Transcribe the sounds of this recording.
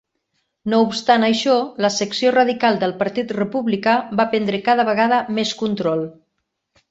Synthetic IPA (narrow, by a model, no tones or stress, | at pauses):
noupst̪anəjʃɔləsəksioraðikalˠd̪əlˠpaɾt̪it̪rəpuβlikabapɛnd̪ɾəkaðəβəɣaðəmeskunt̪ɾɔl